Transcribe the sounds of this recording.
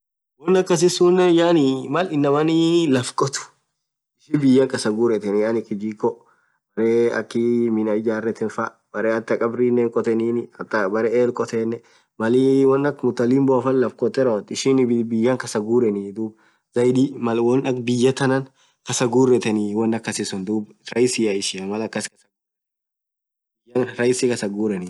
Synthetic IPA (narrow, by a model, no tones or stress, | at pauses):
wɔnːɐkːɐs̬ɪsuːnːɛjaːnɪmɐlɪnːɐmɐnɪlɐfkʼɔt̪ʊ̥ | ɪʃibɪjːɐŋkʼɐsɐɡuːɾɛt̪ɛnjaːnɪkːɪd͡ʒikɔ | bɐɾeːɐ̰kːɪmɪnɐɪd͡ʒaːrːɛt̪ɪnfɐ | bɐɾeːɐt̪ːɪɐkʼɐbɾiːnːeːŋkʼɔt̪ɛniːnɪɐt̪ːɐbɐɾeːeːlkʼɔt̪eːnːɛ | mɐliwɐnːɐkmʊt̪ːɐlɪmbɔɐfɐllːɐfkɔt̪ːɛɾot̪ɪʃɪnbbɪjːɐŋkɐsɐɡuːɾɛnid̪uːb | zɐjd̪imɐlwɔnɐkbɪjːɐt̪ɐnɐn | kɐsɐɡuːrːɛt̪ɛniwɐnːɐkːɐsɪsʊnd̪uːb | ɾɐjsɪɐɪʃɪɐmɐlɐkːɐskɐ | ɪjɐnɾɐjsikɐsɐɡuːɾɛni